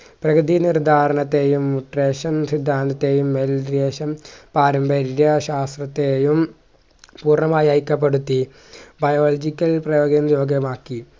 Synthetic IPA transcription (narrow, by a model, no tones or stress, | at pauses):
prɐɡɾɨd̪inird̪ʱaːɾɐɳɐt̪ːe̞ːjumːuʈreːɕɐnsid̪ʱːaːnd̪ɐt̪ːe̞ːjumːelɾeːɕɐmpaːɾɐmbɐɾjɐɕaːst̪rɐt̪ːejum | puːrɳɐmaːjaːjkʲːɐp̬ːeɽut̪ːi | bɐjoːlɐd͡ʑikʲːɐlprɐjoːɡɐnjoːɡɐmaːkːi